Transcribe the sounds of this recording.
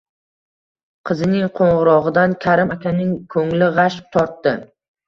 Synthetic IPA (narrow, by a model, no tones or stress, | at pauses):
qʰɨzɪnɪŋqʰoɴʁɨɾɒʁɨd̪ankʲʰaɾɪmakʲanɪŋkʰɵŋlɪʁɑʃp̚t̪ʰɒɾt̪ːɪ